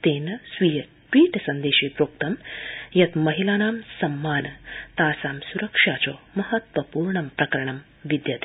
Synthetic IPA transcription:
t̪eːnɐsʋijɐ | ʈʋiːʈsɐnd̪eːʃiːpɾoːk̚t̪ɐmjɐt̪mɐɦilaːnaːmsɐmːaːnt̪aːsaːmsuɾɐkʂaːt͡ʃoːmɐhɐt̪ʋɐpuːɾɳɐmpɾɐkɐɾɐɳɐm | ʋid̪jɐt̪i̥

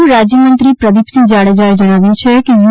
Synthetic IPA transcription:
ɾaːd͡ʒjəmə̃nt̪ɾipɾəd̪ipsĩd͡ʒaːɽed͡ʒaed͡ʒəɽ̃aːʋjũt͡ʃʰekeʋ

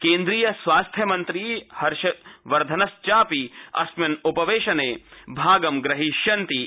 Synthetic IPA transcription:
kẽːnd̪ɾiːjɐsʋaːst̪ʰjɐmɐnt̪ɾiːhɐɾʃɐʋɐɾd̪ʱɐnɐst͡ʃaːpiɐ̰smɐnʊpɐʋeːʃɐneːbʱaːɡɐmɡɾɐɦiʃjɐnt̪i

